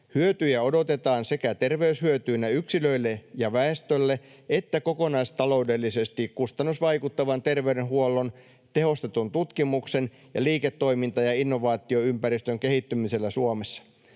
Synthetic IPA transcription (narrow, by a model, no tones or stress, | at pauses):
hyøt̪yjæo̞dot̪e̞t̪ɑːnse̞kæt̪e̞rʋe̞yshyøt̪yːnæyksilø̞ilːejɑʋæest̪ølːe | et̪ːæko̞ko̞nɑist̪ɑlo̞ude̞lːise̞st̪ikkust̪ɑnːusʋɑjkut̪ːɑʋɑnt̪e̞rʋeydenɦuolːo̞n | t̪e̞ɦo̞st̪et̪unt̪ut̪kimukse̞n | jɑ̰liːket̪ːo̞imint̪ɑjɑinːo̞ʋɑːt̪io̞ympæɾist̪øŋke̞hit̪ːymise̞lːæsuomesːɑ̥